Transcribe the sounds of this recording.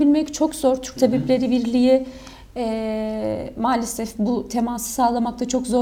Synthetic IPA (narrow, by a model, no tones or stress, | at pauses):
bilʲmɛct͡ʃʰo̞kzo̞ɾt̪ʰy̥ɾc̚t̪ʰabɛplʲe̞ɾiviɾlʲiji | ɛː | maːlʲesɛfbut̪ʰe̞maːsɯ̥saːlˠamak̚t̪ʰat͡ʃʰo̞kzo